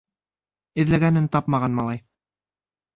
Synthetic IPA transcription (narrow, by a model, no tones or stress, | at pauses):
ɘ̆ðlæɡænɘnt̪ɑpmɑʁɑnmɑlˠɑj